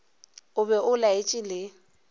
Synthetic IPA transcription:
ʊbɛʔʊlaɪt͡ʃʼɪlɪ

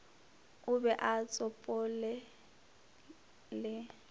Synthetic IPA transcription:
ʊbɛʔat͡sʼɔpʼɔlɛ | lɛ

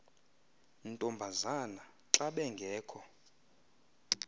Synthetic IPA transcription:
ntʼɔmbʱazana | ǁaɓɛŋɡʱɛːkʰɔ

